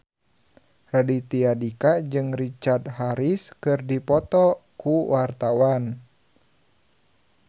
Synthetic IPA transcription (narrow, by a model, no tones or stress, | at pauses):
radit̪iadikad͡ʒɨŋrit͡ʃart̪ɦaɾiskɨrdipɔt̪ɔkuwart̪awan